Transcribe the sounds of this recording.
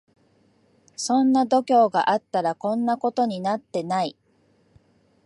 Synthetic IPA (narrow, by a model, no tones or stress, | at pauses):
sõ̞nːad̪o̞kʲo̞ːɡa̰ʔat̪ːaɾakõ̞nːako̞t̪o̞ɲ̟inat̪ːe̞nai